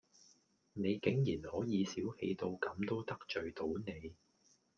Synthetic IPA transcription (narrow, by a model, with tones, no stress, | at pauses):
ne˨˧jkɪ˨˥ŋjiː˨˩nhɔː˨˥jiː˨˧siː˨˥whe˧jt̪o˧wkɐ˨˥mt̪o˥wt̪ɐ˥k̚t͡ʃɵ˨ɥt̪o˨˥wne˨˧j